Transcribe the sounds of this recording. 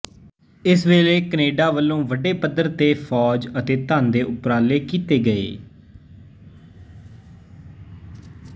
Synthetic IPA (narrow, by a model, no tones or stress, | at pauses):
ɪsʋeːleːkəneːɖaːʋəlːõːʋəɖeːpəd̪əɾt̪eːfʰɔːd͡ʒət̪eːt̪aːnd̪eːʔʊpɾaːleːkiːt̪eːɡəḛː